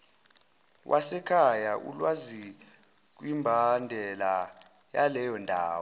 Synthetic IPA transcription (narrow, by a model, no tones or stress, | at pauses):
wʔasɛkʰajaʔṵlwazi | k̬wimbʱandʱɛla | jalɛjɔndʱaːwɔ